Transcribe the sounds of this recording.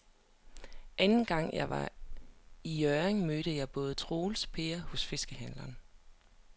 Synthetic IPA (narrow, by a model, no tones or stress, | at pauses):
ʔænn̩ɡ̥ɑ̈ŋ̰jɑ̈ɪʋɑ̈ | ijœeŋmøːɾ̥əjɑ̈ɪb̥ɔ̽ːð̞̩ˠt͡sʰʁoːlspʰe̝ɐhɔ̽sfe̝sɡ̥əhænlɐn